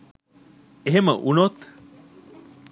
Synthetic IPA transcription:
eɦeməʔunot̪

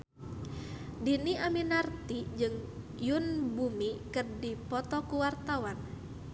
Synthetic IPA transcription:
diniʔaminart̪id͡ʒɨŋ | jʊnbumikɨrdipɔt̪ɔkuwart̪awan

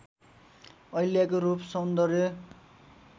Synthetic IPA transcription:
ʌjljakoɾupsʌnd̪ʌrbjʌ

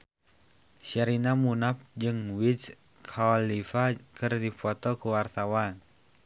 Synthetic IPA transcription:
saɾinamunap̚d͡ʒɨŋwit͡ʃ | kʰaɔlːifakɨrdifɔt̪ɔkuwart̪awan

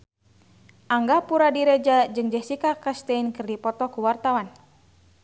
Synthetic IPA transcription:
ʔaŋɡapuɾadiɾɛd͡ʒad͡ʒɨŋd͡ʒɛhsikakast̪ɛinkɨrdipɔt̪ɔkuwart̪awan

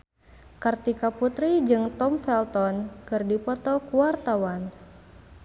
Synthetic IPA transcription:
kart̪ikaput̪ɾid͡ʒɨŋt̪ɔmfɛlt̪ɔnkɨrdipɔt̪ɔkuwart̪awan

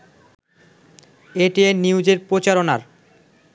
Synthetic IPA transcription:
eʈieniud͡ʑeɾpɾot͡ɕaɾonaɾ

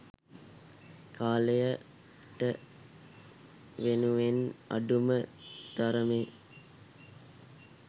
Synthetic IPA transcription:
kʰaːlejə | ʈə | ʋenuʋena̰ɖuməd̪̥aɾəmeː

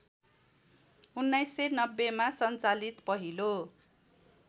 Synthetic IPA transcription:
unːajsːenʌbːemasʌnt͡salit̪pʌɦilo

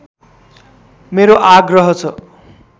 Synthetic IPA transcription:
meɾoʔaɡrʌɦʌt͡sʰʌ

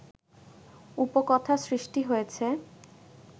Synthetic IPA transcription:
upokɔt̪ʰasɾiʃʈiɦojet͡ɕʰe

